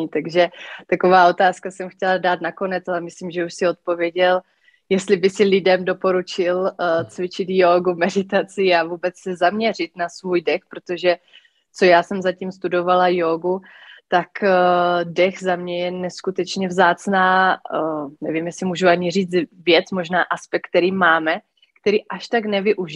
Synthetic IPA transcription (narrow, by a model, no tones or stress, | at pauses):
t̪aɡʒɛt̪akovaːo̞t̪aːskasɛmxcʲɛladaːt̪nako̞nɛt͡salɛmɪslimʒɛuʃsɪo̞t̪̚po̞vjɛɟɛl | jɛst̪lɪbɪsɪlɪdɛmdo̞po̞ɾut͡ʃɪlt͡svɪt͡ʃɪt̪joːɡumɛdɪt̪at͡sɪavuːbɛt͡ssɛzamɲɛr̝ɪt̪nasvuːjdɛxpɾot̪o̞ʒɛ | t͡so̞jaːsɛmzacimst̪udo̞valajoːɡut̪ak | dɛxzamɲɛjɛnɛskut̪ɛt͡ʃɲɛvzaːt͡snaː | nɛ̰vimjɛsɪmuːʒuaɲir̝iːd͡zvjɛt͡smoʒnaːʔaspɛk̚ːt̪ɛɾiːmaːmɛ | kt̪ɛɾiːʔaʃt̪aknɛvɪʔuʒɪ